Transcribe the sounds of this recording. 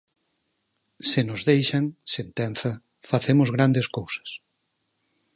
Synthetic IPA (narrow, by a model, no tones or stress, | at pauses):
sɪnʊzðejʃɐŋsent̪ɛn̟θɐ | faθemʊzɣɾand̪eskowsɐ̥s